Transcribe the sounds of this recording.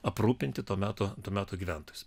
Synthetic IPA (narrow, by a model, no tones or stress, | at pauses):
ɐpɾuːpʲɪnʲt̪ʲɪt̪oːmʲæːt̪oːt̪uːmʲæːt̪oːɡʲiːʋʲænt̪oːjʊs